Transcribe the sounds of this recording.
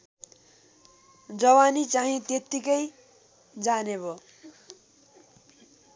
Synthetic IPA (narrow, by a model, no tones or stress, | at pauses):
d͡zʌwanit͡saɦĩt̪jet̪ːikʌj | d͡zanebo